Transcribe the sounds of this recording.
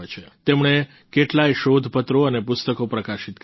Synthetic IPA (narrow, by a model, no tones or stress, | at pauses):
et͡ʃʰet̪emɳe | keʈlajʃod̪ʱpət̪ɾoənepʊst̪əkopɾəkaʃit̪k